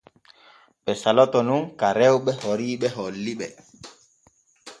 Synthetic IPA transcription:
ɓɛsalɔtɔnuŋkaɾɛwɓɛhoɾiːɓɛɦɔlːiɓɛ

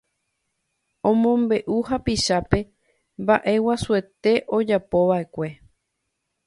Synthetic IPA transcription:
õmõ̞mbe̞ʔuhapiʃape̞ | mbaʔe̞wasue̞t̪e̞ʔo̞d͡ʒapo̞ʋaʔe̞kʷe̞

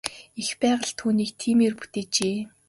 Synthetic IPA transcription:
ixpæːʁə̆ɮt̪ʰuːniːk̚t̪ʰiːmeːrpu̥t̪eːt͡ɕeː

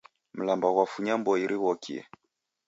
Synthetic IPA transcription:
m̩lambawafuɲambɔiɾʔiwɔkʰḭɛ̰

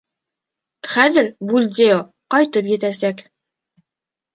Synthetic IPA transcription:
χæðɘɾbulʲd̪ʲeo | qɑjt̪ɤpjɘ̆t̪æsæk

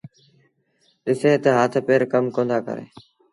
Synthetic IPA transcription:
ɗɪseːt̪eɦaːt̪ʰpeːɾkəmkõːnd̪aːkə̰ɾḛː

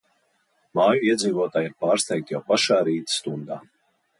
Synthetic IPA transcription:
maːjuiɛd̪ziːvuɔt̪aːjiɾpaːɾst̪ʲɛjk̚t̪ʲjawpaʃaːɾiːt̪st̪und̪aː

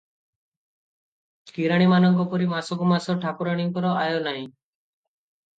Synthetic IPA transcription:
kiːɾaːɽ̃iːmaːnəŋkopoːɾiːmaːsokomaːsoːʈʰaːkʊɾaːɽ̃iŋkɔɾɔaːjoːnaːɦĩː

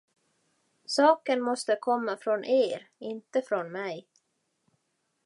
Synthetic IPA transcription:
sɑːkənmɔst̪əkʰɔmːafɾɔnʔeːɾɪnt̪əfɾɔnmɛj

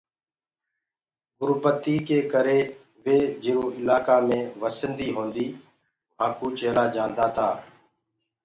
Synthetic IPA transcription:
ɡʊɾpət̪iːkeːkəɾeː | ʋeːd͡ʒɪɾũːʔɪlaːkaːmẽːʋəsənd̪iːɦõːnd̪iː | ʋ̤ãːkuːt͡ʃeːɾaːd͡ʒãːnd̪aːt̪ʰaː

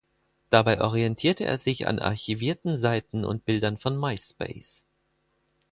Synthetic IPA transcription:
d̥abaɪʔɔʁiɛntʰiːɐtəʔḛːɐzɪça̰nʔa̰ɐçiviːɐtn̩zaɪtn̩ʊ̰nt̚b̥ɪldɐnfɔnmaɪspḛɪs

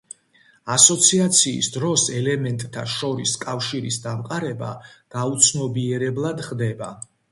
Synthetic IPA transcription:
asɔt̪sʰiat̪sʰḭːsd̪ɾɔsɛlɛmɛnt̪ʼt̪ʰa̰ʃɔɾiskʼafʃiɾisd̪amqʼaɾɛba̰ɡ̥aut̪sʰnɔbiɛɾɛblˠad̪χd̪ɛba

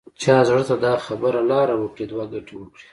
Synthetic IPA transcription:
t͡ʃɑzɽət̪ad̪ɑxabəɾalɑɾawəkɽed̪waɡaʈiwəkɽi

